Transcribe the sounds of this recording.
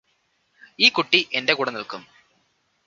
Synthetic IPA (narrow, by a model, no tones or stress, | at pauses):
iːkuʈːiʔende̞kuːɽɐnilkum